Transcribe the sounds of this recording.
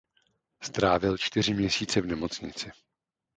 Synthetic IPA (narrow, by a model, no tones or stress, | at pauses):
st̪ɾaːvɪlt͡ʃt̪ɪr̝ɪmɲɛsiːt͡sɛvnɛmo̞t͡sɲɪ̰t͡sɪ